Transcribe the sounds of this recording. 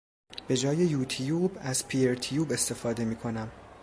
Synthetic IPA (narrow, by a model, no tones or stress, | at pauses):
b̥e̞d͡ʒɒːjejuːt̪ʰijubæzpʰieɾt̪ʰijuːbe̞st̪e̞fɒːd̪e̞miːkʰo̞næm